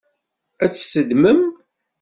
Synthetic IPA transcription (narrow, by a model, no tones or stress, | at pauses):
æt͡sːsəd̪məm